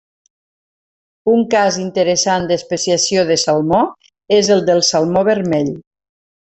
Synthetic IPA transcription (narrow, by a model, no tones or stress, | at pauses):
uŋkazint̪əɾəsand̪əspəsiasioðəsalˠmo | ezəlˠd̪əlˠsalˠmoβəɾmɛʎ